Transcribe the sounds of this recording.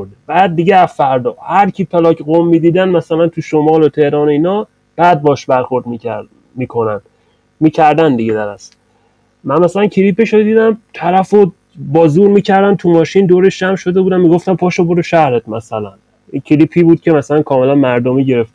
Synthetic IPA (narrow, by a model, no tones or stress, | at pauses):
ɾd̪eb̥æːd̪̚ːiɟeæzfæɾd̪ɒːhæɾcʰiːpʰelɒːkʰɡomːiːd̪iːd̪ænmæsælænt̪ʰuʃomɒːlot̪ʰe̞hɾɒːnoiːnɒː | b̥æːd̪̚bɒʃbæɾxo̞ɾd̪mi | miːkʰo̞næn | miːcʰæɾd̪ænd̪iɟed̪æɾæs | mænmæsælæncʰiliːpeʃod̪iːd̪æmt̪ʰæɾæfo | bɒːzuːɾmiːcʰæɾd̪ænt̪ʰumɒːʃind̪oːɾeʃd͡ʒæmʃo̞d̪e̞bud̪æmmiːɡoft̪æmpʰɒːʃoboɾeʃæhɾet̪mæsælæn | icʰiliːpʰiːbuːd̪̚cʰʲe̞mæsælænkʰɒːme̞lænmæɾd̪omiːɟe̞ɾe̞ft̪